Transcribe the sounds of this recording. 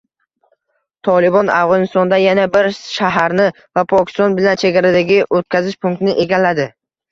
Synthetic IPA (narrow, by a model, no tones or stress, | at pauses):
t̪ʰɒlɪbɒna̰fʁɒnɪst̪ɒnd̪ajanabɪɾʃaɦaɾnɪ | vapʰɒkʲɪ̥st̪ɒnbɪlant͡ʃʰe̞ɡʲaɾad̪aɡʲɪʔot̪̚kʲʰazɪʃpʰʊŋk̚t̪ɪnɪʔe̞ɡʲalːad̪ɪ